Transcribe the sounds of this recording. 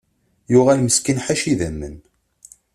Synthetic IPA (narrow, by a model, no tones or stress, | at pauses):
jʊʁælməskənħaʃiðæmːə̰n